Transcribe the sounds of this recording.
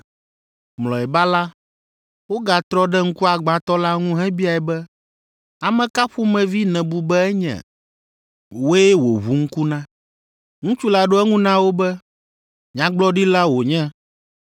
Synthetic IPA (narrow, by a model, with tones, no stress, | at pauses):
mlɔ˨ɛ˨ba˦la˦ | wo˦ɡa˨t̪ɾɔ˦ɖɛ˦ŋ̩˦ku˦a˨ɡ͡bã˨t̪ɔ˦la˦ŋũ˦ɦɛ̃˦bi˦a˨ɛ˨bɛ˦ | a˨mɛ̃˨ka˦ɸu˦mɛ̃˨vi˦nɛ̃˨bu˨bɛ˦ɛ˦ɲɛ̰̃˨ | wo˦ɛ˦wo˨βu˨˦ŋ̩˦ku˦nã˦ | ŋũ˦t͡ʃu˦la˨ɖo˦ɛ˦ŋũ˦nã˦wo˦bɛ˦ | ɲã˦ɡ͡blɔ˦ɖi˦la˦wo˨ɲɛ̃˦